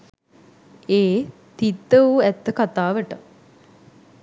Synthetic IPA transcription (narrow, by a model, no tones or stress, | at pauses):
eː | t̪it̪ːəuɛt̪ːəkat̪aːʋəʈə